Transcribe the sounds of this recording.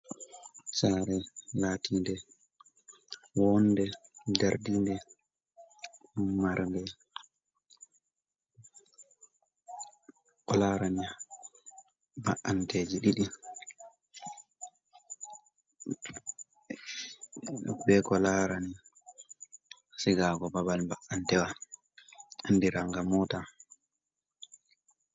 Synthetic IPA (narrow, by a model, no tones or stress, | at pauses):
t͡ʃaːɾɛlaːtʰiːndɛ | wɔnːdɛdaɾdindɛ | maɾndɛ | kɔlaːɾania | ba̰ʔːanted͡ʒiɗiɗi | bɛkɔlaɾani | siɡakɔbabalbaʔantɛwa | andiɾaŋɡamɔta